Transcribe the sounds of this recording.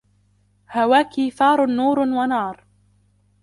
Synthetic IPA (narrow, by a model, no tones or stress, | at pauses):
hawaːkiːθɑːɾˤnːuːɾwanɑːɾˤ